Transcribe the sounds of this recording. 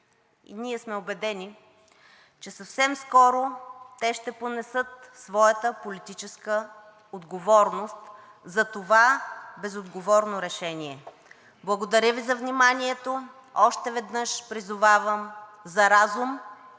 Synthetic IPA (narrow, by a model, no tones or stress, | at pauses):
ḭniɛsmɛobɛd̪ɛni | t͡ʃɛsɐfsɛmskɔɾot̪ɛʃt̪ɛponɛsɤt̪̚svɔjət̪əpolit̪it͡ʃɛskə | od̪ɡovɔɾnost̪ | zɐt̪ovabɛzod̪ɡovɔɾnoɾɛʃɛnʲiɛ | blˠɐɡod̪ɐɾʲəvizɐvnʲimaniɛt̪o | ɔʃt̪ɛvɛd̪nɤʃpɾizʊvavəmzɐɾazum